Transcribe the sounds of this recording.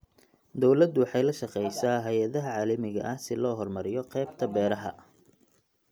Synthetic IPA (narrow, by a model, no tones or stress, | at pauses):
d̪ɔwlɐd̪wɑħɑjlɐʃɑqɛjsaːɦɛjɐðɐɦɐʕɑːlɐmɪɣɐ̰ʔɐhsɪlɔːɦɔrmɐɾɪjɔqɛːbt̪ʰɐbɛːɾɐɦɐ̰